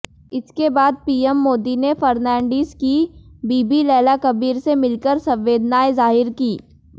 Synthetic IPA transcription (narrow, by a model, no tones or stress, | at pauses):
ɪskebaːd̪̚piːemːoːd̪inefɐɾnɛ̃ːɳɖiːzkibiːbilɛːlakɐbiːɾsemɪlkəɾsɐ̃mʋeːd̪naːezaːɦɪɾkiː